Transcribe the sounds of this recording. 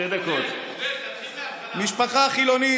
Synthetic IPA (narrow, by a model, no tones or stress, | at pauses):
edekot | miʃpaχaχiloni